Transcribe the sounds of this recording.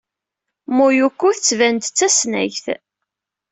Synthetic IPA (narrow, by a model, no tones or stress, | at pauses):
mʊjukːʊθət͡sːvænt̪t͡sːæsnæ̰jθ